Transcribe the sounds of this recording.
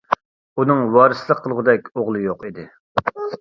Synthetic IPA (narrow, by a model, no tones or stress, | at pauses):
unɨŋwɑːɾɨslˠəqʰːəlˠʁʊd̪ɛk̚ʲoʁlˠɨjoqid̪ɪ